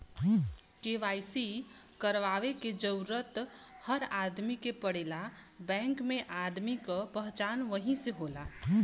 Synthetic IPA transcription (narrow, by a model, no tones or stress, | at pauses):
keːʋaːjsikəɾʋaːʋeked͡ʒəʊɾət̪həɾaːd̪mikepəɽeːlabɛ̃ːŋkmẽʔaːd̪mikapəɦt͡ʃaːnʋəɦĩseɦoːla